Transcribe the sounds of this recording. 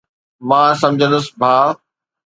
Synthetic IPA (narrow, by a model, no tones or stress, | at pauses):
mãːsɐ̃md͡ʑʱə̃nd̪ʊsbʱaː